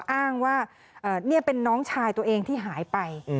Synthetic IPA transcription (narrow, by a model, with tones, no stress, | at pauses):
ʔaː˥˩ŋwaː˥˩ | ʔɤː˨˩ni˥˩ɐpe˧nːɔː˦˥ŋt͡ɕʰaː˧jt̪u˧ɐʔeː˧ŋt̪ʰiː˥˩ɦaː˩˦jpa˧j